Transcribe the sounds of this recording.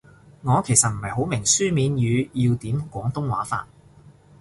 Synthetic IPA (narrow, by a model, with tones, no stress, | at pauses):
ŋɔː˨˧kʰe˨˩jsɐ˨t̚m̩˨˩hɐ˨jɦo˨˥wmɪ˨˩ŋsyː˥miː˨˧njyː˨˧jiː˧wt̪iː˨˥mkʷɔː˨˥ŋt̪ʊ˥ŋwa̰ː˨˥fa̰ː˧t̚